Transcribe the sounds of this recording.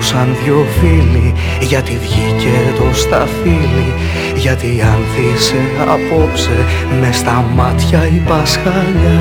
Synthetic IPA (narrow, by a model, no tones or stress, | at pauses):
sɐnðʝo̞fili | ʝɐt̪iðʝicet̪o̞st̪ɐfili | ʝɐt̪iɐnθise̞ | ɐ̰po̞pse | mest̪ɐmɐt̪çɐipɐsxɐʎɐ